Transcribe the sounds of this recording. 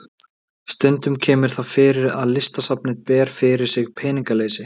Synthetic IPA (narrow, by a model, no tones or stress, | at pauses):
st̪ʏnt̪ʏmcʰɛːmɪɾ̥θafɪɾɪɾa̰ðlɪst̪asap̚nɪt̪pɛːɾ̥fɪɾɪɾ̥sɪɣpʰɛːniŋkaleːjsɪ